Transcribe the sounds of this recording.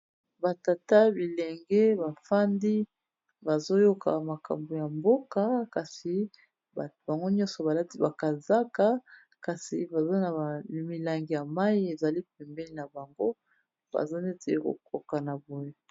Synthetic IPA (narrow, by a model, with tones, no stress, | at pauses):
ba˨ta˨ta˦bi˨lɛ˨ŋɡɛ˦βa˨fa˦ndi˦ | ba˨zo˦jo˦kʰa̰˨ma˨ka̰˨mbo˨ja˨mbo˦ka˨ka˨si˨ | ba˨ba˨ŋɡo˦ɲɔ̃˦sɔ˨ba˨la˦ti˦ba˨ka˨za˦ka˨ | ka˨si˨ba˨zo˦na˨mi˨la˨ŋɡi˨ja˨ma˦ji˦e˨za˨li˦p̚ɛ˨mbɛ˦li˦na˨ba˨ŋɡo˦ | ba̰˨za˦ne˦te˨˦ko̰˨ko˨ka˨na˨bo˨je˦